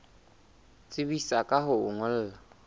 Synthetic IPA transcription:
t͡sʼɪbisakʼaɦʊʊŋʊl̩ːla

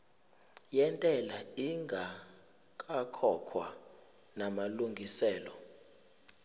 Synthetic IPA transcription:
jɛntʼɛlaiŋɡʱa | kʼakʰɔkʰwa | namaluŋɡʱisɛːlɔ

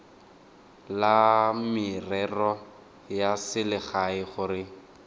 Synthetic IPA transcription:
lamɪrɛrɔ | jasɪlɪχaɪχʊɾɪ

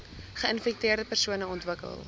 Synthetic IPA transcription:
χəənfɛk̚tiərdəpərsuənəɔntvəkə̰lˠ

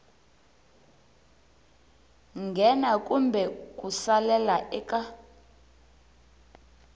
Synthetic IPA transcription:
ŋɡʱɛnakʼumbʱɛkʼusalɛlaʔɛkʼa

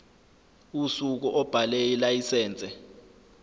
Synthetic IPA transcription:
usuk̬uʔɔb̥ʱalɛilajisɛːnt͡sʼɛ

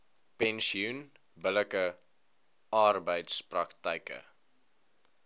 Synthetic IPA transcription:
pɛnsiun | bələkə | ɑrbəjtsprɐktəjkə̰

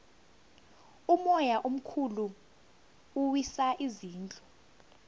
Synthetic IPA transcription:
umɔjaʔom̩kʰulu | uwisaʔiziːnt͡ɬʼɔ̥

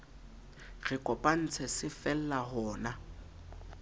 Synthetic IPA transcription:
ɣɪkʼɔpʼan̩t͡sʰɛsɪfɛl̩lahɔːna

